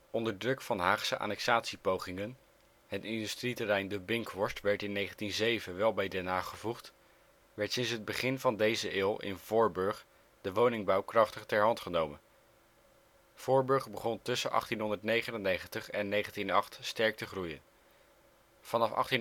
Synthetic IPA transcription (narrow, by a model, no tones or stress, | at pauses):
ɔndəɹdrɵkfɑnɦaːχsəʔa̰ːnɛksaːtsipowχɪŋən | ɦətɪndystritərɛjndəbɪŋkʋɔɹstʋɛɹtɪnːejχəntinzejvənʋɛlˠbɛjdɛnaːχəvuχt | ʋɛɹtsɪnsɦəd̚bəχɪnvɑndejzəʔɪːlˠʔɪ̰nv̥ʊːɹbɵɹχ | d̥əʋownɪŋbɑwkrɑχtəχtɛɹɦɑntχənowmən | v̥ʊːɹbɵɹχbəχɔntɵsənʔɑ̰χtinɦɔndəɹtnejχənənːejχəntəχɛnːejχəntinɑχtstɛɹk̚təχrujən | v̥ɑnɑfɑ̰χtin